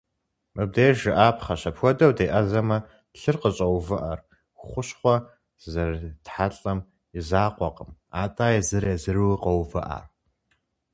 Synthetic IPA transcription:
mʔɨb̚deːʒɪʔaːpʰχɐɕɐpxʷɔdɐwdeːʔɐzɐmɐ | ɬɨrqəɕʼɐwvɨʔɐr | χʷʊɕχʷɔ | zɐrtħaɬʼɐm | ɪzaːqʷɔqəmaːtʼaːjɛzɨɾezɨrwqɐwvɨʔa̰ːr

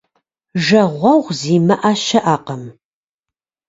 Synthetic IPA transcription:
ʒɐʁʷɐʁʷziːmɐʔaːʃɐʔaːqɐm

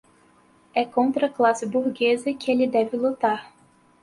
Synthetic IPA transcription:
ɛkõnt̪ɾɐklasɪbuɾɡezɐkɪelɪd̪ɛvɪlut̪aɾ

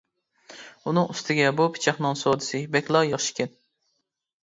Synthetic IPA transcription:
unɨŋyst̪ʰɪɡʲɛbupʰɪ̥t͡ʃʰɑχnɨŋsod̪ɨsɨbɛkʲlˠɑjɑχʃi̥kʲɪn

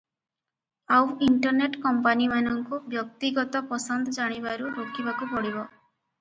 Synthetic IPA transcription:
awiɳʈɔɾneʈkɔmpanimanɔŋkubjɔk̚t̪iɡɔt̪ɔpɔsɔnd̪ɔd͡ʒaɽ̃ibaɾuɾokibakupɔɽibɔ

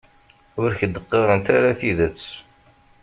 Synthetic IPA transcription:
ʊɾçəd̪əqːeɾˤənt̪aɾaθiðət͡sː

